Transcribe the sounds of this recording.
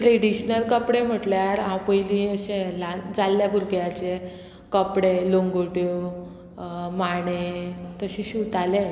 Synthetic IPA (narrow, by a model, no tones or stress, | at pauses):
ʈɾeɽiɕnəlkəpɽem̤əʈljaɾãwpəjlĩəɕẽlad͡zalːjabʱuɾɡjat͡ɕe | kəpɽeloŋɡoʈjo | maɽ̃et̪əɕẽɕut̪ale